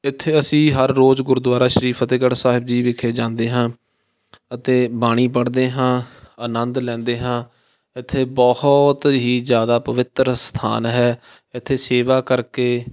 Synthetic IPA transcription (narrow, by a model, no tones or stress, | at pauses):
ɪt̪ʰːeːəsĩːɦəɾːoːzɡʊɾd̪waːɾaːʃəɾiːpʰət̪eːɡəɽsaːɦɪbd͡ʒiːʋɪkʰeːd͡ʒãːnd̪eːɦãː | ət̪eːbaːɽ̃iːpəɽd̪eːɦãːənənd̪lɛ̃ːnd̪eːɦãː | ɪt̪ʰːeːbɔht̪ɦiːzjaːd̪aːpəʋɪt̪ɾst̪ʰa̰ːnɦɛː | ɪt̪ʰːeːseːʋaːkəɾkeː